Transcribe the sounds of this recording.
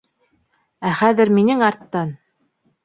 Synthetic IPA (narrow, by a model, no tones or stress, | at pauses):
æχæðɘ̆ɾminɘŋɑɾt̪ːɑn